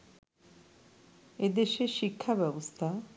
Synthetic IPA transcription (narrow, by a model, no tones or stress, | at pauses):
ed̪eʃeʃikʰːabɛbost̪ʰa